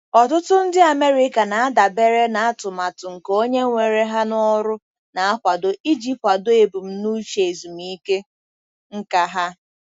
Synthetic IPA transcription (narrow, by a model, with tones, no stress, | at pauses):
ɔ˨tʊ˦tʊ˦n̩˦dɪ˦a˨me˦ɾi˦ka˨na˨a˦da˨be˦ɾe˦na˨a˦tʊ˨ma˨tʊ˨ŋ̩˨ko˦ɲe˦ŋʷe˨ɾe˦ɦa˦nɔ˦ɾʊ˦ | na˨a˦kʷa˨do˨ʔi˦d͡ʒi˦p̚pa˨do˦e˨bu˨m̩˦nu˦t͡ʃe˨e˨zu˨mi˦ke˦ | ŋ̩˦ka˦ɦa˦